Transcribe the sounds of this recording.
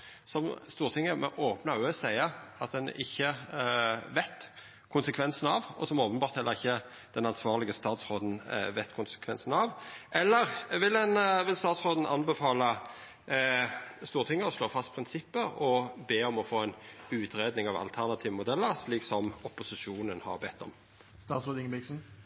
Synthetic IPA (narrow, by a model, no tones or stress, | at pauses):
sɔmst̪uːʁt̪ʰɪŋːəmɛ̰ʔoːpnɑøːsæɪəɑt̪d̪ɛnɪ̰çːə | ʋɛt̪ː | kʰʊnsəkʰʋɛnsən̩ɑʋɔsɔmoːpənbɑːʁt̪hɛlːəʁɪçːə | d̪̥ɛnɑnsʋɑːʁlɪɡəst̪ɑːt̪sʁoːd̪nʋɛt̪ːkʰʊnsə̥kʰʋɛnsənɑʋʔɛlːəʁʋɪld̪ɛnʋɪlst̪ɑːt̪sʁoːd̪n̩ʔɑ̰nbɛfɑːlə | st̪uːʁət̪ɪŋːəɔsloːfɑst̪pʰɾɪnsɪpːəɔbeːɔmɔfoːɛnʉːt̪ɾeːd̪nɪŋɑʋɑ̰lt̪ʰæʁnɑt̪ʰiːʋəmʊd̪ɛlːəɾsliːksɔmɔpʊsɪʂuːnənhɑ̰ɾbɛt̪ʰːɔ̰m | st̪ɑːt̪sɾoːd̪ɪŋəbɪksn̩